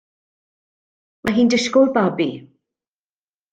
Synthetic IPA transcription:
mʔaɦiːndəʃkolbabi

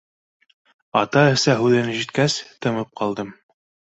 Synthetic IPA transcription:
ɑt̪ɑɘ̆sæɦʉðɘ̆nɘʒit̪̚kæst̪ɤ̆mɤp̚qɑlˠd̪ɤm

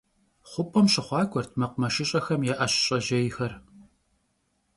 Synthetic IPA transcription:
χʷʊpʼɐmɕʼɪχʷɑːkʷʼɔrtʰmɐqʷʊmɐʃɪɕʼɐxɐmjɛʔɐɕɕʼɐʒɐjɪxɐr

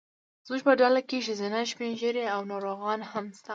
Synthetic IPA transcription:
zmuʒpəɖalakeʃezɪnaʃpenʒəɾeawnɑɾoɣɑnhamst̪a

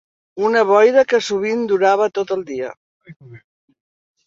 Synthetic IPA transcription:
unəβɔjðəkəsuβ̞ind̪uɾaβ̞ət̪ot̪əlˠd̪iə

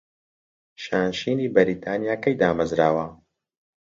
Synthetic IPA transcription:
ʃaːnʃiːniːbɐɾiːt̪ʰaːnijaːkɐjd̪aːmɐzɾaːwɐ

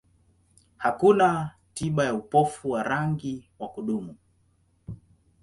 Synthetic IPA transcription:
hakuna | tiɓajaupɔfuwaɾaŋɡiwakuɗumu

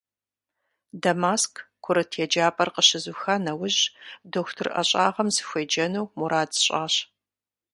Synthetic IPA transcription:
dɐmaːskʰkʷʰʊɾɨtʰjɛd͡ʒaːpʼɐrqəɕɪzuxɐnɐwʊʑdoxtʰɨrʔɐ̰ɕʼaːʁɐmzɨxʷeːd͡ʒɐnuwmuɾaːdɕʼaːɕ

